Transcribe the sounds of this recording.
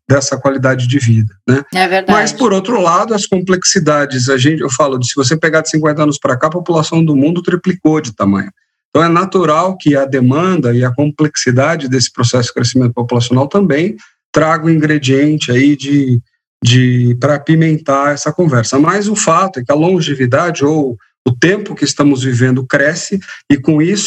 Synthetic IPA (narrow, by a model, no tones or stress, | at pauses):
d̪ɛsɐkwalid̪ad͡ʒɪd͡ʒɪvid̪ɐnɛɛveamɐspoɾowt̪ɾʊlad̪ʊɐskõmpleksid̪ad͡ʒɪz̬ɐʒẽnt͡ʃɪewfalʊd͡ʒɪsɪvos̬epeɡad͡ʒɪsĩŋkwẽnɐɐ̃nʊspɾakaɐpopulasɐ̃w̃d̪ʊmũnd̪ʊt̪ɾiplikod͡ʒɪt̪amɐ̰̃ɲ̃ʊ̃ | t̪ɐ̃w̃ɛnat̪uɾawkɪɐd̪emɐ̃nd̪ɐɪɐkõpleksid̪ad͡ʒɪd̪esɪ̥pɾosɛsʊd͡ʒɪkɾesimẽnt̪ʊ̥populasjõnawt̪ɐ̃mbẽj̃ | t̪ɾaɡɐ̃ʊ̃ĩɡɾed͡ʒiẽnt͡ʃɪaid͡ʒɪ | d͡ʒɪpɾɐpimẽnt̪aɛsɐkõvɛɾsɐmɐzʊfat̪ʊɛkɪɐlõʒevid̪ad͡ʒɪow | ʊt̪ẽmpʊkɪːst̪ɐ̃mʊzvivẽnd̪ʊkɾɛsɪɪkõisʊ